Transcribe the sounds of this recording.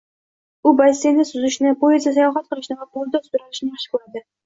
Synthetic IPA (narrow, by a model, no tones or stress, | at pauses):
ʊbasenɪsʊzɪʃnɪpʰoezasajɒχat̪̚qʰɨlˠɪʃnɪvabolˠd̪ɑsʊɾaɾɪʃnɪjɑχʃqʊlˠad̪ɪ